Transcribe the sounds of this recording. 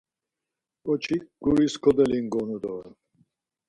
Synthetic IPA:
kʼɔt͡ʃʰiɡ̥uɾiskʰɔd̪ɛliŋɡɔnud̪ɔ

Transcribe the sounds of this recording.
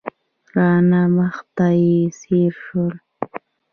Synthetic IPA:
ɾaːnamɑχt̪aisiɾʂʊl

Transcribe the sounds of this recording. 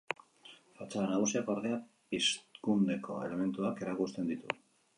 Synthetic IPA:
fat͡salanaɣ̞usiakaɾðea | piskune̞ko̞e̞̰le̞me̞nt̪uake̞ɾakust̪e̞nd̪it̪ṵ

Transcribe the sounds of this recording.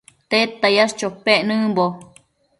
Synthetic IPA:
t̪et̪ːajast͡ʃopːenɨmbo

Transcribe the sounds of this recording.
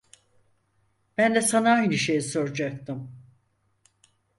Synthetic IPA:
b̥ænd̪ɛsanaːjnɯʃejiso̞ɾud͡ʒak̚t̪ɯm

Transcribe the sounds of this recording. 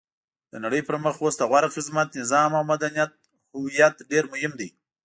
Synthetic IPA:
d̪̥ənaɽəjpəɾməxwost̪aɣwaɾxɪzmat̪nɪzɑmawmad̪anijat̪̚ | hʊwijat̪ɖeɾmʊhɪmd̪i

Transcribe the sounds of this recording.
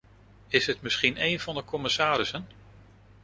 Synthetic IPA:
ɪsɦətmɪsχinejnv̥ɑndəkɔmɪsaːɾɪsən

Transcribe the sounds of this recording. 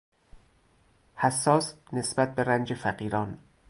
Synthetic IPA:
hæsːɒːs | ne̞sbæt̪̚be̞ɾænd͡ʒe̞fæɢiːɾɒːn

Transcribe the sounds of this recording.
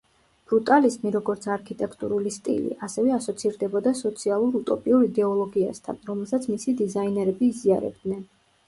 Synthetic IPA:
b̥ɾut̪ʼalizmiɾɔɡɔɾt̪sʰaɾkʰit̪ʼɛkʰt̪ʼṵɾulist̪ʼḭlḭʔasɛvɛasɔt̪sʰiɾd̪ɛbɔd̪asɔt̪sʰialˠuɾut̪ʼɔpʼiuɾid̪ɛɔlˠɔɡia̰st̪ʰa̰nɾɔmɛlˠsat̪sʰmisid̪izainɛɾɛbiːziaɾɛ̰bd̪nɛn

